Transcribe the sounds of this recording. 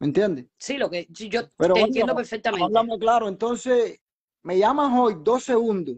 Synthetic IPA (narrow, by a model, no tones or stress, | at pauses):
mẽ̞nt̪je̞nd̪esiloked͡ʒopeɾonjed̪opeɾfek̚t̪amẽalamoklaɾoent̪o̞nse | me̞ʝamãŋojd̪o̞seɣund̪o